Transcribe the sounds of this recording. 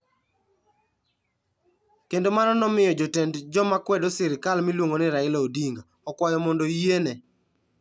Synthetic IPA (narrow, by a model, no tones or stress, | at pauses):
kendomanɔnɔmɪjɔd͡ʒotɛndd͡ʒɔmakwɛdosɪɾɪkalmilwoŋonɪɾaɪloodiŋɡa | ɔkwajɔmɔndojenɛ